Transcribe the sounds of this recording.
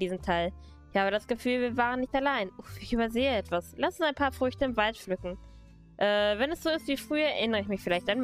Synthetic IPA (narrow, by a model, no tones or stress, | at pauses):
d̥iːzəm̩tʰaɪl | ɪçhaːbəɾasɡ̥əfyːlviːɐvaːʁənːɪçtalaɪnʔoɪçʔyːbɐzeːəɛtv̥aslastʊnsaɪnpʰaːɐfʁ̥ʏçtəɪmvaltflʏkŋ̩ | ʔɛːvɛnɛsz̥oːɪstv̥iːfʁ̥yːɐɛɐʔɪnəʁəɪçmɪçfɪlaɪçtan